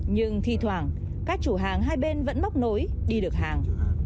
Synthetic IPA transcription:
ɲɨ˧ŋt̪ʰi˧t̪ʰwaː˨˩ŋ | kaː˦˥k̚t͡ɕu˧˩ɦaː˨˩ŋɦaː˧jɓe˧nvə̰˧˥nma˦˥wk͡p̚no˨˦j | ɗi˧ɗɨ˨˩ək̚ɦa̰ː˨˩ŋ

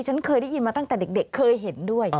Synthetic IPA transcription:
t͡ɕə˨˦nkʰəː˨˩jɗi˨˧˦zi˨˩maː˨˩t̪a˧ŋaː˧˨jɗə˨˩ɗḛ˧˩xʰəː˧jɦe˧˩nɗu˧əj

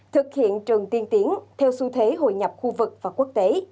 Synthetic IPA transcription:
t̪ʰɨ˨˩k̚hḭ˧˨ənt͡ɕɨ˨˩ŋt̪i˧ənt̪i˨˦ənt̪ʰɛ˧wsu˧t̪ʰwe˨˦ɦo̰˧˨jɲa˨˩p̚xu˧vɨ˨˩k̚vaː˨˩ku˦˥ək̚t̪e˨˦

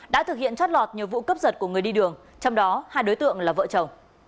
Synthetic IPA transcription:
ɗa̰ː˧˥t̪ɨ˨˩k̚hḭ˧˨ənt͡ɕɔ˦˥t̚lɔ˨˩t̚ɲi˨˩əwvṵ˧˨kə˦˥p̚zə˨˩t̚ku˧˩əŋɨ˨˩əjɗi˧ɗɨ˨˩əŋ | t͡ɕɔ˧wŋ͡mɗɔ˨˦haː˧jɗo˨˦jt̪ɨ̰˧˨əŋlaː˨˩və̰ː˧˨t͡ɕə˨˩w

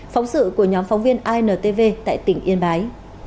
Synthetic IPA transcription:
fɔ˨˦wŋ͡msɨ̰˧˨ku˧˩əɲɔ˨˦mfɔ˨˦wŋ͡mvi˧ənʔaː˧jnəː˨˩t̪e˧ve˧t̪a̰ː˧˨jt̪ï˧˩ŋ̟ʔi˧ənɓaː˨˦j

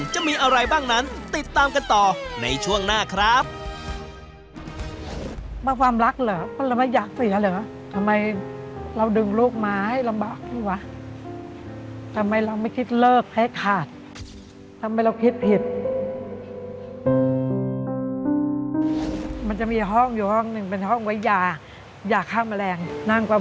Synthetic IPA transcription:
t͡ɕa˨˩ʔmiː˧ʔa˧ɾa˧jbaː˥˩ŋna˦˥nt̪i˨˩t̪ːaː˧mka˧nt̪ɔː˨˩na̰˧jt͡ɕʰu˥˩əŋnaː˥˩kʰɾa˦˥p̚ | baː˧˩kwaː˧mɾa˦˥k̚lɤː˩˦pa˧˥˩laː˧ma˥˩jaː˨˩k̚si˨˩˦lɯː˨˩˦ | t̪ʰa˧mːa˧j | ɾa˧wdɯ˧ŋluː˥˩k̚maː˧ha˥˩jla˧mbaː˨˩k̚lu˧˩wa˦˥ | t̪ʰa˧mːa˧jɾa˧wma˥˩jkʰi˦˥t̪̚lɤː˥˩k̚ha˥˩jkʰaː˨˩t̪̚ | t̪ʰːa˧ma˧jɾa˧wkʰi˦˥t̪̚pʰi˨˩t̪̚ | ma˧nt͡ɕa˨˩miː˧ɦɔ˥˩ŋjuː˨˩hɔ˥˩ŋnɯ˨˩ŋpe˧nhɔ˥˩ŋwa˨˦jjaː˧˩ | jaː˨˩kʰːaː˧˥˩ma˧lɛː˧ŋna˧˥˩ŋkwaː˧˩

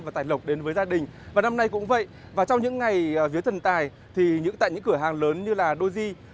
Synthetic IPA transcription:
vaː˨˩t̪aː˨˩jlə˨˩wk͡p̚ɗe˨˦nvəː˨˦jzaː˧ɗï˨˩ŋ̟vaː˨˩na˧mna˧jkʊ̰˧˥ŋ͡mvə̰˧˨j | vaː˨˩t͡ɕɔ˧wŋ͡mɲɨ̰˧˥ŋːa˨˩jfi˨˦ət̪ʰə˨˩nt̪aː˨˩j | t̪ʰi˨˩ɲɨ̰˧˥ŋt̪a̰ː˧˨jɲɨ̰˧˥ŋkɨ˧˩əɦaː˨˩ŋləː˨˦nɲɨ˧laː˨˩ɗo˧zi˧

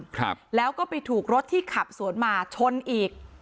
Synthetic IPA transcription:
klɛː˦˥wkɔː˥˩pa˧jt̪ʰuː˨˩k̚ɾo˦˥t̪ʰːiː˥˩kʰa˨˩p̚su˨˩˦ənmaː˧t͡ɕʰo˧nʔiː˨˩k̚

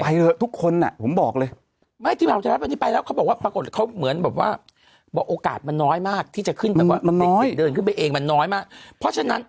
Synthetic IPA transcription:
pa˧jlɤː˧jt̪ʰu˦˥kʰːo˧nːa̰˨˩pʰo˩˦mbɔː˨˩k̚lɤː˧j | ma˥˩jt̪ʰiː˥˩˨a˧ɾ̚ni˥pa˧jlɛ˦˥kʰa˦˥bɔ˨˩kwaː˥˩pɾa˧ko˨˩t̪̚kʰa˦˥wmɯ˨˩˦ənbɛː˨˩p̚wa̰ː˥˩ | bɔː˨˧˩ʔoː˧ka̰ː˨˩t̪̚ma˧nːɔː˦˥jmaː˥˩k̚t̪ʰiː˥˩t͡ɕa˨˩kʰɯ˥˩nbmaː˨˧waː˥˧ma˧nː˨˧ɔː˦˥jdɤː˧nkʰɯ˥˩˨pa˧jʔeː˧ŋma˧nːɔː˦˥jmaː˥˩k̚pʰɾɔ˦˥t͡ɕʰa˧na˦˥n

